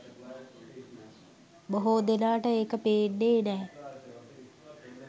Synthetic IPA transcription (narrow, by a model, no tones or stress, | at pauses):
boɦoːd̪enaːʈəeːkəpeːnːeːnɛː